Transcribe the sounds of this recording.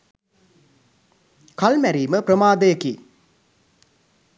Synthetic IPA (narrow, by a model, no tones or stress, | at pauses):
kɐlmæɾiːməpɾɐmaːd̪ɐjɐki